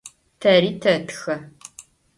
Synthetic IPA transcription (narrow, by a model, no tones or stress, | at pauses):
tʰɐriːtʰɐtʰxɐ